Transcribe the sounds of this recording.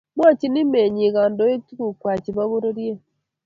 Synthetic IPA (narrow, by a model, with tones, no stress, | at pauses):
mwaː˦ci˦ni˦me˨ɲi˨ɣaː˨ndo˦e˦tu˦ku˨kwaː˨ci˨βa˦βu˦ɾo˦ɾje˦